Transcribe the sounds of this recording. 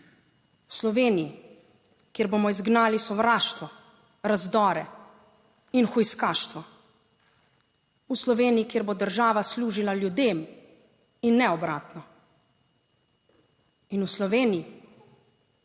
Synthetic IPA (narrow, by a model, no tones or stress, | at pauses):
uslɔʋeːniji | kjeːɾboːmɔizɡnaːlisɔʋɾaːʃt̪ʋɔ | ɾazd̪ɔːɾɛ | inxujskaːʃt̪ʋɔ | uslɔʋeːniikjeːɾbod̪əɾʒaːʋasluːʒilaljud̪eːm | inːɛɔbɾaːt̪nɔ | inuslɔʋeːniji